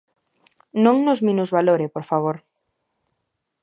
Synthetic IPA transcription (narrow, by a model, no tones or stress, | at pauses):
nõŋnozmĩnuzβaloɾepoɾfaβ̞oɾ